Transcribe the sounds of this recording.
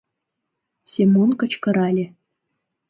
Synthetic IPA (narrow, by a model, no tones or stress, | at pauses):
sʲemonkɤ̆t͡ɕkɤ̆ɾɑlʲe